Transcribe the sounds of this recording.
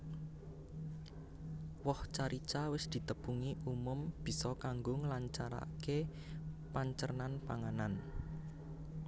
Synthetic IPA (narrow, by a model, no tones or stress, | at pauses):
wɔht͡ʃaɾit͡ʃawɪsd̪̥i̤t̪əpuŋiʔumʊmb̥i̤sɔkaŋɡʊŋlaɲt͡ʃaɾa̰ke | paɲt͡ʃərnanpaŋanan